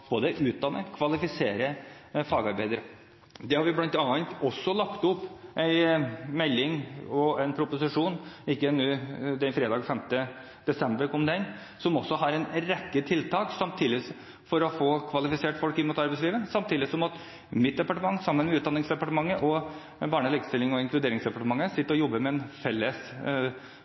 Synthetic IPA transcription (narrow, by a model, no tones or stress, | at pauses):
b̥oːd̪əʉːt̪̚d̪ɑnːəkʰʋɑlɪfɪseːɾəfɑːɡɑɾbæɪd̪əɾə | d̪ɛhɑɾʋɪblɑnt̪ɑːnt̪ɔsːɔlɑkt̪ʊpːʔæɪmɛlːɪŋɔæɪnpʰɾʊpʊsɪʂuːnɪkːəɛnːʉːd̪ɛnfɾeːd̪ɑːɡfɛmt̪ə | d̪ɛsɛmbəɾkʰɔmd̪ɛn | sɔmɔsːɔɦɑɾɛnɾɛkːət̪ʰɪlt̪ʰɑːksɑmt̪ʰiːd̪ɪ | fɔɾɔfoːkʰʋɑlɪfɪseːʈfɔlkɪnmuːt̪ɑɾbɛɪsliːʋəsɑmt̪ʰiːd̪ɪsɔmɑt̪ | mɪt̪̚d̪ɛpɑʈəmɑŋːsɑmːənmɛʉt̪d̪ɑnːɪŋsd̪ɛpɑʈəmɑŋːəʔɔ | bɑːɳəliːkst̪ɪlːɪŋɔɪŋklʉd̪eːɾɪŋsd̪ɛpɑʈəmɑŋːəsɪt̪ːəɾɔjɔbːəmɛɛnfɛlːəs